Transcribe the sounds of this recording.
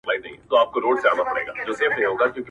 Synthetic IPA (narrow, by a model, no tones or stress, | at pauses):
plaːid̪eɦĩt̪oaːp̚koɾoːɖsea̰ːnapɐɽḛːɡa̰ːd͡ʒoːseːfʰnɐɦĩɦoːɡakjõːki